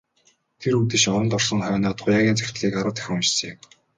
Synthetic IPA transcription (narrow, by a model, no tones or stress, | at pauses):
t̪ʰeɾut̪ɘ̆ʃɔɾɞ̆nt̪ɔr̥sɞ̆ŋχœːnɔːt̪χʊjaːɣʲiːnt͡sæ̥xʲɪ̥̆t̪ɮiːkaɾə̆wt̪æ̥x̆ʲŋʊt͡ɕse